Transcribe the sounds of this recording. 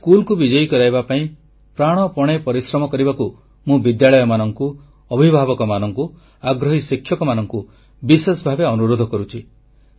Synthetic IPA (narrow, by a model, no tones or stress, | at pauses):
skulkubid͡ʒɔjikɔɾajbapaĩ | pɾaɽ̃ɔpɔɽ̃epɔɾisɾɔmɔkɔɾibaku | mũbid̪jaɭɔjɔmanɔŋku | ɔbʱibʱabɔkɔmanɔŋku | aɡɾɔɦisikʰjɔkɔmanɔŋku | bisesbʱabeɔnuɾod̪ʱɔkɔɾut͡ʃʰi